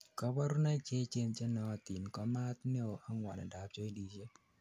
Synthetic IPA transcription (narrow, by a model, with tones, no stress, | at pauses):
kɔ˦bɔ˦ɾʊ˦na˦t͡ʃe˦t͡ʃe˦nt͡ʃe˦nɔ˨t̪i˨nkɔ˦ma˦t̪nɛ˦o˨a˦ŋwa˨nɛ̰˨da˨p̚t͡ʃo˦i˦di˨t͡ʃe˦